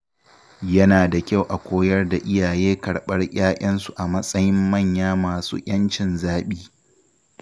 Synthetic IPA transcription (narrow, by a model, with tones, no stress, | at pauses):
jɐ˦naː˨da˨kʲa˦˨wʔa˨kʷʰoː˦jɐ˦rda˨ʔɪ˦jaː˨jeː˦kɐ˨ɽɓɐ˦rj̰ʲʼaː˦ʔʲɐ˦nsu˨ʔa˨mɐ˦sʼɐ˦jɪ˦mːɐ˦˨ɲjaː˦maː˨sṵː˦ʔʲɐ˦nt͡ʃɪ˨nzaː˦ɓiː˦